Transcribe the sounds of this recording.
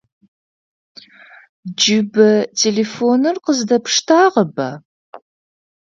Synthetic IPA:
d͡ʒɪbɐtʰelefonɨrqəzdɐpʂtʰaːʁɐbɐ

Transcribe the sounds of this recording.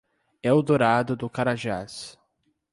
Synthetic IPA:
ɛʊd̪oɾad̪ʊd̪ʊkaɾaʒas

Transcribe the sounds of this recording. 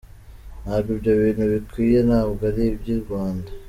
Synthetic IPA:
naːβjibjoβiːnhuβikwiːjenaβɡaɾibɟiɾɡwaːnda

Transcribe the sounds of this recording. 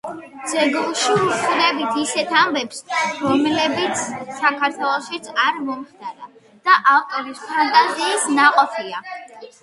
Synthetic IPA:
d̪z̥ɛɡlˠʃiusuɾɛbit̪ʰisɛt̪ʰambɛpsɾɔmlɛbit̪sʰsakʰaɾt̪ʰwɛlˠɔʃit̪sʰaɾmɔmχd̪aɾa | d̪̥aʔavkʼɔɾispʰant̪ʼaziːsnaqʼɔpʰia

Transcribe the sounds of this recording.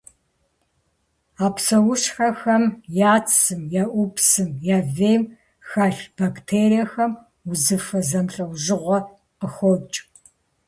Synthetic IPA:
aːpsɐwʊʃxɐxɐmjaːt͡ssɨmjaʔʷupsɨmjaːveːjm | xaːɬb̥aktʰeːrijɐxɐm | uzɨfɐzɐmɬʼɐwʒɪʁʷɔ | qəxʷɔt͡ʃʼ

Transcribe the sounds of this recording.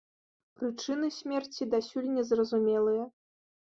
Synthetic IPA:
pɾɨt͡ʂɨnɨsʲmʲɛrt͡sʲid̪asʲulʲnʲɛzrɐzumʲɛlˠɨjɐ

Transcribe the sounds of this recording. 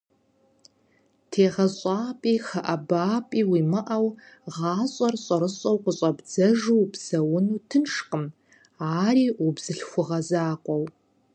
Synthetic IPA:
tʰeːʁɐɕʼɑːpʼiːxɐʔɐbaːpʼiːwiːmɨʔɐw | ʁɑːɕʼɐrɕʼɐɾɨɕʼɐwqʷʊɕʼɐbd͡zɐʒuwbz̥ɐwʊnuːtʰɨnʂqəm | aːriːubz̥ɨɬxʷʊʁɐzaːqʷʼɔw

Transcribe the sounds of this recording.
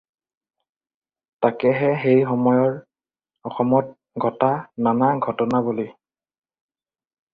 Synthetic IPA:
takɛɦɛxejxɔmɔjɔɹ | ɔxɔmɔt̚ | ɡʱɔtananaɡʱɔtɔnaboli

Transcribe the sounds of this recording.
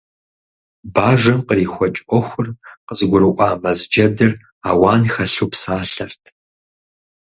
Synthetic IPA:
baːʒɐmqəriːxʷɔt͡ʃʼʔʷɔxʷʊrqəzɨɡʷʊɾɨʔʷɑːmɐzd͡ʒɐdɨr | a̰ːwaːnxɐɬupsaːɬɐrtʰ

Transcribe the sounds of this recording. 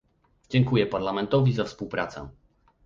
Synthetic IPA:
d͡ʑɛŋkujɛpaɾlamɛnt̪ɔvʲizafspuwpɾa̰t̪sɛ̰̃

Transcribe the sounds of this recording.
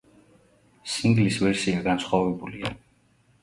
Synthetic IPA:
siŋɡlisvɛɾsiaɡansχwavɛbulia

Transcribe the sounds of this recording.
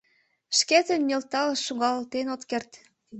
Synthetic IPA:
ʃket̪ənmʲelt̪ɑlʃuŋɡɑlt̪enot̪kert̪

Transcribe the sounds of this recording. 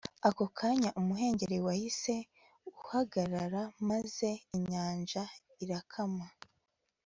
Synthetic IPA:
ako̞kʰaɲaʔumuɦe̞ːɲɟe̞ɾewahise̞ | uhaɡaɾaɾamaze̞iɲaːnʒa | iɾakʰama

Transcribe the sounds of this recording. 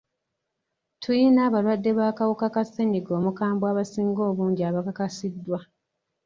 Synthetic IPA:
tʰujinaːβalwadːe̞βaːkawukakaseɲiɡo̞ːmukaːmbwaːβasiːŋɡo̞ːβuːɲɟiaːβakakasidːwa

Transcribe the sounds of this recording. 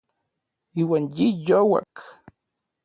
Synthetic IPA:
iːwanjijowa̰k

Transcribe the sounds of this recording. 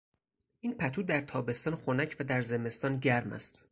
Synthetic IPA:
ʔiːnpʰæt̪ʰuːd̪æɾt̪ʰɒːbe̞st̪ɒːnxonæcʰvæd̪æɾzeme̞st̪ɒːnɟæɾmæ̰st̪

